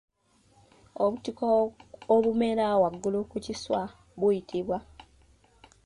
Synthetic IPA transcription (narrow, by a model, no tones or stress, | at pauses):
oβutikooβume̞ɾawaɡːulukuciswa | βwujitʰiβwa